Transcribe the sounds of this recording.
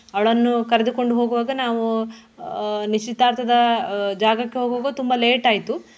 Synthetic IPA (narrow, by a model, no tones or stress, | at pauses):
ɐʋɐɭɐnːukɐɾed̪uko̞ɳɖuɦo̞ːɡuʋaːɡɐnaːʋu | niʃit̪aːɾt̪ʰɐd̪ɐd͡ʒaːɡɐkːe̞ɦoːɡuʋaːɡɐt̪umbɐle̞ːʈaːjit̪u